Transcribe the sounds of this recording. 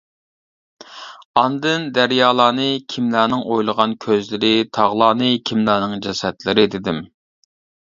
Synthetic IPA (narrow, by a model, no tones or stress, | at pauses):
ɑnd̪ɨnd̪æɾjɑːlˠɑːnɨkʲʰimlæːnɨŋojlˠəʁɑnkʲʰøzlɪɾɪt̪ʰɑʁlˠɑːnɨkʲʰimlæːnɨŋd͡ʒɛsɛt̪lɪɾɪd̪ɪd̪ɪm